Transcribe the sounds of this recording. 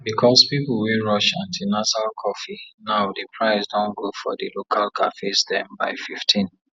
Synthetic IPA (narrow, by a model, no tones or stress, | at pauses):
bikʰɔspipl̩weɹɔʃãntʰinazalkʰɔfinaʊdəpʰɹaɪsdɔ̃nɡofɔ̰dilokʰalkʰa̰fesdɛ̃mbaɪfiftʰĩn